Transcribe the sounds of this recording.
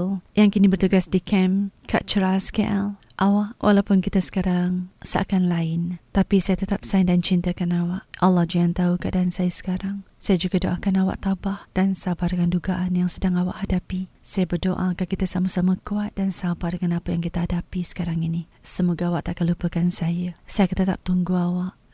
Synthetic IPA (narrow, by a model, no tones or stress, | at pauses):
ljaŋkinibərt̪uɡasdikɛmka̰ʔt͡ʃəɾaska̰ʔal | ʔawaʔwʔa̰lawpʊnkit̪asə̥kaɾaŋsa̰ʔkanlaɪnt̪apisajat̪ət̪ap̚saindant͡ʃint̪akanawaʔalːɑhd͡ʒiant̪aukaʔdaansajasə̥kaɾaŋsajad͡ʒuɡadoʔakanawa̰ʔt̪abahd̥ansabadəŋanduɡaʔanjaŋsədaŋawa̰ʔhadapisajabərdoʔakakit̪asamasamakuat̪̚dansabadəŋanapəjaŋkit̪aɦadapisə̥kaɾaŋinisəmoɡaawaʔt̪aʔkanlupəkansajasajakət̪ət̪a̰p̚t̪uŋɡuawaʔ